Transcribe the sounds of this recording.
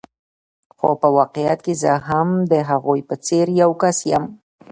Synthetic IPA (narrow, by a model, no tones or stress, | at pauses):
xo̰pəwɑqejat̪̚kezəɦamd̪əɦaɣojpət͡seɾjawkasjam